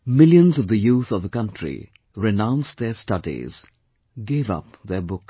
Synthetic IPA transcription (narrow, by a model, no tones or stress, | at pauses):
mɪljə̃nzɔvðəjuːθɔvðəkʌ̃ntʰɾḭ | ɾɪnãʊ̃nsd̪ɛstʌdḭz̥ | ɡeːvʌ̰pðɛbʊk